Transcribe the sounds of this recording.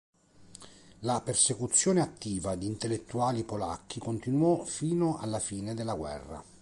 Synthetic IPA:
lapersekut̪sːjoːneat̪ːiːvad̪iːnt̪elːet̪ːuaːlipola̰kʰːikont̪inwɔfiːnoʔa̰lːafiːned̪elːaɡwɛ̰rːa̰

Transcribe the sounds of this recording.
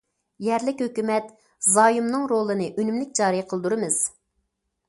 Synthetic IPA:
jɛɾlɪkʲhøkʲymɛt̪ | zɑːjumnɨŋɾolˠɨnɨʔønymlɪk̚ʲd͡ʒɑːɾijqʰəlˠɨd̪uɾɨmɨz̥

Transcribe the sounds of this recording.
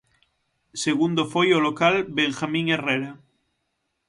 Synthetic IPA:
seɣund̪ofojolokalbeŋxamĩŋereɾa

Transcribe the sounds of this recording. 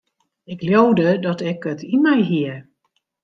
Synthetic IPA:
ɪkljowdədɔtɛkətʰimɛjɦiə

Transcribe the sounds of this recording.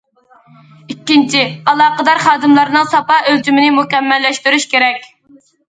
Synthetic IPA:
ikʲːint͡ʃʰiɑlˠɑːqəd̪ɑɾχɑːd̪ɨmlˠɑɾnɨŋsɑpɑølt͡ʃymɪnɪmukʲɛmːɛlːɛʃt̪yɾyʃkʲeɾɛkʲ

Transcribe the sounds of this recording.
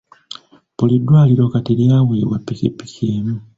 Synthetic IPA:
polidːwaːliɾo̞kateljaːweːβwapːikḭpːi̥keːmu

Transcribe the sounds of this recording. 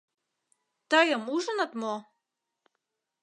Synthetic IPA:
t̪ɑjɤmuʒənə̆t̪mo

